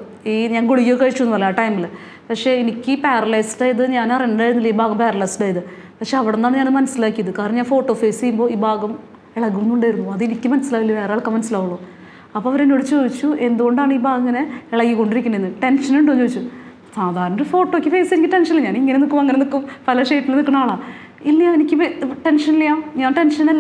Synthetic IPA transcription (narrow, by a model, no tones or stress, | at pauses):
iːɲaːnɡoɭiɣjoːkːɐɻit͡ɕːuonːpoleaːʈɐjmil | pɐkʂe̞ːenikʲːɨpeːrɐlɐjsʈaːjɐðɨɲaːnɐriɐndaːjiɾunːilːɐiːbʱaːɡɐmpeːrɐlɐjsaːjðɨ | pɐkʂeɐʋiɽenːaːɳɲaːnmɐnɐsilaːkːijɐðɨkaːɾrnɐɲːaːnfo̞ːʈːo̞ːfe̞ːsejumbo̞ːiːbʱaːɡɐm | eɭɐɣumunːuɳɖaːjiɾunːuɐðenikʲːɨmɐnɐsːilaːkilːɐʋe̞ːɾeaːɭkːɐmɐnɐsilaːʋuɭːoː | ɐpːoɐʋɐɾenːoɽit͡ɕːt͡ɕoːʋit͡ɕːue̞nd̪uɣo̞ɳɖaːɳɨiːbʱaːɡɐŋːɐneeɭɐkːikːo̞ɳɖiɾikʲːunːɐenːɨʈe̞nʂɐnuɳɖoːɲːt͡ɕoːit͡ɕːu | saːd̪ʱaːɾɐɳɐɾufo̞ːʈːoːkːɨfe̞ːsenikʲːɨʈenʂɐnilːɐɲaːniŋːɐnenikːumɐŋːɐnenikːumpɐlɐʂeːjʈːilnikːɐɳaːɭaː | ilːɐjaenikʲːɨʈe̞nʂɐnilːɐjaːɲaːnʈenʂɐnɐlː